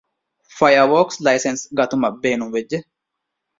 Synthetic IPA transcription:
fɐjɐwoːkslɐjsɛnsɡɐt̪ʊmɐbeːnʊbɛd͡ʒːɛ

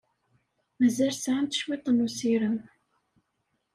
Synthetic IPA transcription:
mæzælsʕant̪ə̥ʃwit̪ˤːənusiɾən

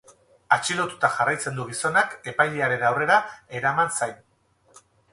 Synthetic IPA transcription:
at͡ʃiɾo̞t̪ut̪aʝarajt͡se̞nd̪uɣ̞iso̞nake̞pajʎeaɾe̞nawre̞ɾae̞ɾamansajn

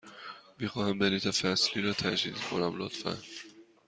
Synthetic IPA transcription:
mixɒːhæmbeɾiːt̪ʰɒfæsliːɾɒːt̪ʰæd͡ʒd̪ḭːd̪kʰo̞næmlo̰t̪fæ̰n

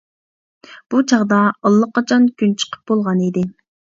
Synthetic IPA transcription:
b̥ut͡ʃʰɑʁd̪ɑɑlˠːəqːɑt͡ʃʰɑnkʲʰynt͡ʃʰə̥qʰə̥p̚b̥olˠʁɑnid̪ɪ

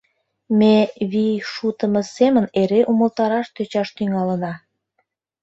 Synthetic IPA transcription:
meβiʃut̪əməseməneɾeʔuməlt̪ɑɾɑʃt̪øt͡ɕɑʃt̪yŋɑlə̆nɑ

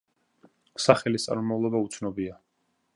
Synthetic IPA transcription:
saχɛlist̪sʼa̰ɾumavlˠɔbaut̪sʰnɔbia

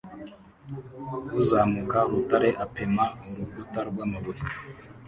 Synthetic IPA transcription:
uzaːmukaɾutaɾe̞ʔapemauɾuɡutaɾɡwaːmaβuɾi

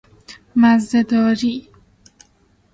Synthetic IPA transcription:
mazd̪ad̪ɔːɾi

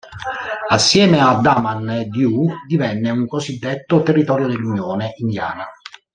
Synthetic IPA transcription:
asːjɛːmead̪ːamand̪jud̪ivɛnːeuŋkozid̪ːet̪ːot̪erːit̪ɔːɾjod̪elːunjoːneʔind̪ja̰ːna

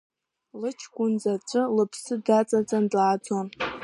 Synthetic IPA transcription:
lɨt͡ʃʰkʷʊnd͡zat͡ʃʷʰʼɨlɨpʰsɨdat͡sʼat͡sʼandaːd͡zon

